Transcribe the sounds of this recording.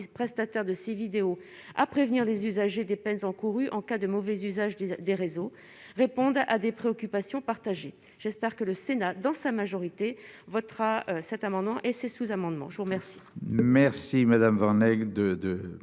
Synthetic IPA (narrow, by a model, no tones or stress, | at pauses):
pχɛst̪at̪ɛʁd̪əsevid̪eo | a̰pχevniʁlezyzaʒed̪epɛnzɑ̃kuʁyʔɑ̃kad̪əmɔvɛzyzaʒd̪eʁezo | ʁepɔ̃d̪ad̪epχeɔkʲypasjɔ̃paʁt̪aʒe | ʒ̥ɛspɛʁkələsenad̪ɑ̃samaʒɔʁit̪evɔt̪χaøsɛt̪amɑ̃d̪mɑ̃ʔesesuzamɑ̃d̪mɑ̰̃ʒəvuʁmɛʁsi̥mɛʁsimad̪amvɑ̃ʁnɛɡd̪əd̪ə